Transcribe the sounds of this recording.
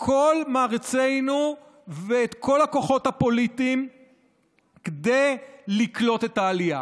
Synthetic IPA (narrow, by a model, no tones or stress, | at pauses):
kʰo̞lmaːʁet͡se̞jnu | veːt̪kʰo̞lako̞χo̞thapo̞litiːm | ked̪e̞jliklo̞t̪etaːlija̰